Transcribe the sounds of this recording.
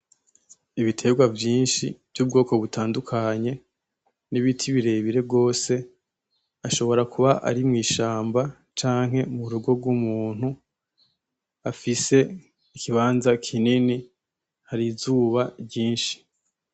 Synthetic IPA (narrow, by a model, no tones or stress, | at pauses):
iβitʰe̞ɡwavjiːnʃiv̥juːb̚ɡo̞ːko̞βutʰaːndukʰaɲe̞ | niβitʰiβiɾe̞βiɾe̞bɡo̞ːse̞ | aʃo̞βo̞ɾakuβaʔa̰ɾimŋiːʃaːmba | t͡ʃaːŋ̥ɦe̞muɾuɡo̞bɡwumuːn̥hu | afise̞ | ikiβaːnzakʰinini | haɾizuːβaɟiːnʃi̥